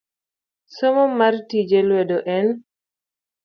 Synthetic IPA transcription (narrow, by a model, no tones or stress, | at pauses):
somomartid͡ʒelwedoʔɛn